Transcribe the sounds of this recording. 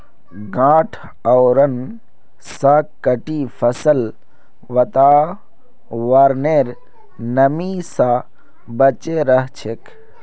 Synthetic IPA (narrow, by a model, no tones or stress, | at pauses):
ɡãːʈʰ | ɔwɾən | sakːəʈifʰɐsəl | ʋɐt̪aː | ʋaːɾneɾ | nɐmisa | bət͡ʃeɾɐɦt͡ʃʰek